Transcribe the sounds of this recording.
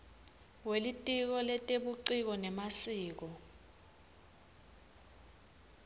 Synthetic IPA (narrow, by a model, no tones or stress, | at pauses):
welitʼik̬ɔlɛtʼeɓuǀik̬ɔnɛmasiːk̬ɔ